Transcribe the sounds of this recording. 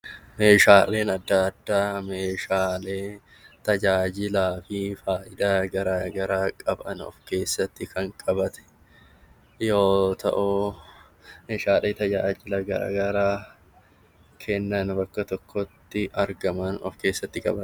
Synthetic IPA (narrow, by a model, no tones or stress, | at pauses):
me̞ːʃaːle̞ːnɐd̪ːaːd̪ːaːmeːʃaːle̞ː | t̪ɐd͡ʒaːd͡ʒɪlaːfɪfaːʔɪᶑ̪aːɡɐɾaːɡɐɾaːkʼɐbʔɐ̰nɔ̰fke̞ːsːɐt̪ːɪkʰɐŋkʼɐbɐt̪ɛ̥ | joːt̪ɐ̰ʔʊ | meːʃaːleːt̪ɐd͡ʒaːd͡ʒɪlɐɡɐɾa̰ːɡɐɾaː | kʰɛnːɐnbɐkːɐt̪ɔkːɔt̪ːɪʔɐɾɡɐmɐnɔ̰fke̞ːsːɐt̪ːɪkʼɐbɐ